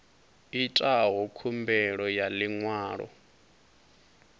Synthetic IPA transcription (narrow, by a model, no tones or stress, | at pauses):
itʼaɦɔkʰumbɛɺɔjaliŋwaːɺɔ̰